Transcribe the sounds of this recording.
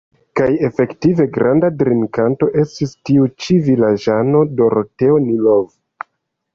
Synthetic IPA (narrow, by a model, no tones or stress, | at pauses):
kaje̞fe̞ktive̞ɡɾandadɾinkanto̞ʔe̞stistiut͡ʃivilad͡ʒano̞do̞ɾote̞onilov